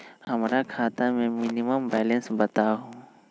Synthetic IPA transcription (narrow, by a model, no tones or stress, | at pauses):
hɐmɾakʰaːt̪amẽmɪniməmbɛːlẽnsbɐt̪aɦũː